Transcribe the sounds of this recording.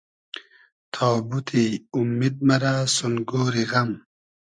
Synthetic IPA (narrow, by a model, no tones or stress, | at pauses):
t̪ʰaːbut̪ʰiumːid̪̚mɐɾasunɡoːɾiɣɐm